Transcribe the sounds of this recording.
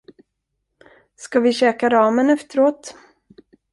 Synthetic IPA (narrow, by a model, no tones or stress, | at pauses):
skavɪɕɛːkaɾɑːmənɛft̪əɾoːt̪